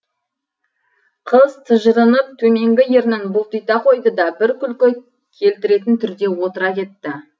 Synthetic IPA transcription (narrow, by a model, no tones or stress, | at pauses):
qʰəzt̪ʰəʒəɾənəp̚t̪ʰɵme̞ŋɡʲɪje̞ɾnɪnbʊlˠt̪ʰijt̪ɑqʰo̞jd̪əd̪ɑbɪɾkʲʰʏlkʲɪ | kʲʰe̞lt̪ɪɾe̞t̪ɪnt̪ʰʏɾd̪e̞wo̞t̪əɾɑkʲe̞t̪ːɪ